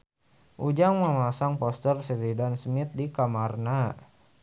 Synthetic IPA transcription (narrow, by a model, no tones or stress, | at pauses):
ʔud͡ʒaŋməmasaŋpɔst̪ərsəɾidansmit̪̚dikamarna